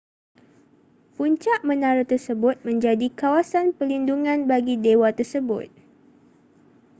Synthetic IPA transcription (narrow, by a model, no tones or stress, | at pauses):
puɲt͡ʃaʔmənaɾət̪ərsəbʊt̪̚mə̃ɲd͡ʒadikawasanpəlinduŋãnbaɡidewat̪ərsəbʊ̰t̪̚